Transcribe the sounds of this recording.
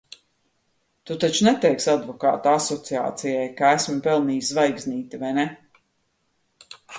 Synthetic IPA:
t̪ut̪at͡ʃunɛt̪ɛjksad̪vɔka̰ːt̪uasɔt̪sia̰ːt̪sijajkaæsmpɛlˠniːsvajɡzniːt̪ivajnɛ

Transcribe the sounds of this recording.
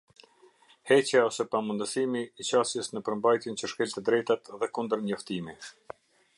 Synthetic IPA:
hɛt͡ɕjaɔsɛpamund̪əsimiːt͡ɕasjəsnəpəɾmbajt̪jənt͡ɕəʃkɛlt̪əd̪ɾɛjt̪at̪ðɛkund̪əɾɲɔft̪imi

